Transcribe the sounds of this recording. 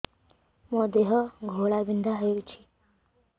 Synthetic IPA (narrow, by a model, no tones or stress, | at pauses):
mɔd̪eɦʌɡʱoɭabind̪ʱaɦəjɾut͡ʃʰi̥